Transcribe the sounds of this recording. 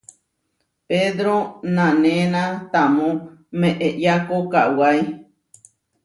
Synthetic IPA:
ped̪ɾonãnẽnãt̪amõmẽʔeʔjakokaʔwaj

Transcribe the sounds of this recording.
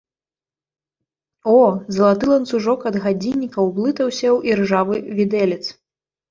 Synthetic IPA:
ɔzɐlˠat̪ɨlˠɐnsuʐɔkɐd̪ɣad͡zʲinʲːikɐwblˠɨt̪ɐwsʲɐwʔirʐavɨvʲid̪ɛlʲɛt̪s

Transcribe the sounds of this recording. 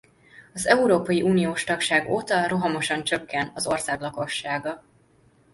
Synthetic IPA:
ɒzɛuɾoːpɒjiʔuːnijoːʃt̪ɒkʃaːɡoːt̪ɒro̞ɦɒmo̞ʃɒnt͡ʃøkːɛnɒzo̞rsaːɡlɒko̞ʃːaːɡɒ

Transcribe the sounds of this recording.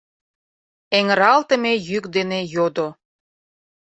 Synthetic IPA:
eŋəɾɑlt̪əmejykd̪enejod̪o

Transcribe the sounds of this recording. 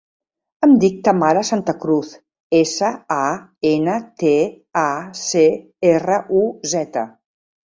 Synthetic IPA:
əmd̪ik̚t̪əmaɾəsant̪əkɾuθ | esəaenət̪e | ase | erəʔuzɛt̪ə̰

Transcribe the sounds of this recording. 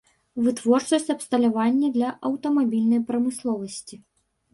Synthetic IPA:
vɨt̪vɔrt͡ʂɐsʲt͡sʲɐpst̪ɐlʲavanʲːɐd̪lʲɐʔɐwt̪ɐmabʲilʲnɐjpɾɐmɨslˠɔvɐsʲt͡sʲi

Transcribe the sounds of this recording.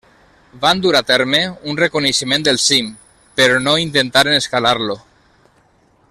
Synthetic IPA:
band̪uɾat̪ɛɾmeunrekuneʃəmẽnd̪elˠsim | peɾɔnoint̪ent̪aɾeneskalaɾlo

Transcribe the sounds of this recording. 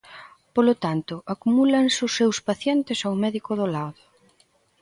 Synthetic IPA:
polot̪ant̪ʊʔakumulansʊsːewspaθjɛnt̪ɪsawmɛðikoðolaðʊ

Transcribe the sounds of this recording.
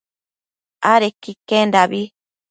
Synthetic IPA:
aɾekikendaβi

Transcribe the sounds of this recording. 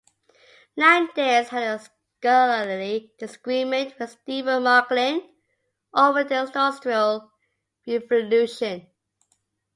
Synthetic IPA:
nãɪ̃ndez̥hədəs | kɔləlidɪsəɡ̥ɹĩmə̃nʔwɪðstivəmɑklɪ̃n | ʔoʊvədəɔstɹəlˠ | ɹɛvəlʉʃə̃n

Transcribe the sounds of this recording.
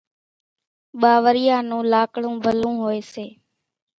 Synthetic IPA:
ɓaːʋəɾɪjaːnũːlaːkɽũːbʱəlũːɦoːeːseː

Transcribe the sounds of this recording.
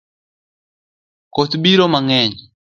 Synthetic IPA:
kot̪biɾɔmaŋɛɲi

